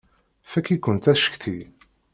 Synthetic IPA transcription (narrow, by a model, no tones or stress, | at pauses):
fækːikːənt̪æʃə̥çθi